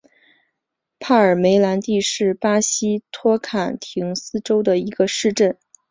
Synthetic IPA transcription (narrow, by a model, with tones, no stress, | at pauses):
pʰa˥˩ə˞˨˩me˧˥ɪla˧˥nt̪i˥˧ʂɻ̩˥˩pa˥ɕi˥t̪ʰwɔ˥kʰa˨˩nt̪ʰi˧˥ŋsɹ̩˥ʈ͡ʂo˥ʊd̪ə˨i˧˥ɡ̥ə˧ʂɻ̩˥˧ʈ͡ʂə˥˩n